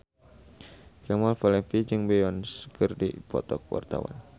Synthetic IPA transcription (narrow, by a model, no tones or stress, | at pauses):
kɛmalfalɛnfid͡ʒɨŋbɛɔnskɨrdipɔ̰t̪ɔk̚wa̰rt̪a̰wa̰n